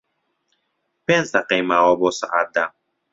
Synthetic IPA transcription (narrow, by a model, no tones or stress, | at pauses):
pɛnsaqɛmaɾɔbɔsa̰ʔad̪a